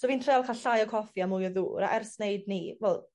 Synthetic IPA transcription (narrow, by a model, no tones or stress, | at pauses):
soːviːntʰrejalˠkʰaɬajɔkʰɔfjamʊjɔðṵːɾa̰ʔɛrsnejdnivɛlˠ